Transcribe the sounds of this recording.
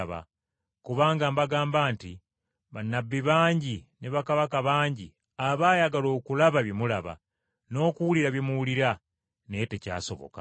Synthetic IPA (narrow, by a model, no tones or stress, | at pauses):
βa̰ | kuβaːŋɡambaɡaːmbaːnti | βanːabːiβaːɲɟineβakaβakaβaːɲɟi | aβaːjaɡalo̞ːkulaβaβjemulaβa̰ | no̞ːkuwuliɾaβjemuwuliɾa | nete̞ca̰ːso̞̰βo̞̰ka̰